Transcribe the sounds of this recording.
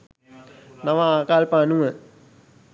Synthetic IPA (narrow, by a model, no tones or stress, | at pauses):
naʋaaːkaːlpaːnuə